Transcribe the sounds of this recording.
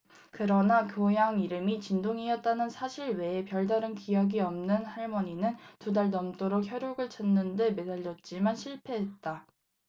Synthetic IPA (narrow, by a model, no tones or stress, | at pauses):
kɯɾʌnakjojaŋiɾɯmit͡ɕindoŋiʌt̚t͈anɯnsʰaɕʰiɾwe̞ːpjʌɭdaɾɯnkijʌɡiʌmnɯnhaɭmʌɲinɯntudaɭnʌmt͈oɾok̚çjʌɾjoɡɯɭt͡ɕ͈ʰʌnːɯnde̞me̞daʎːʌt̚t͡ɕ͈imanɕʰiɭpʰe̞ɦet̚t͈a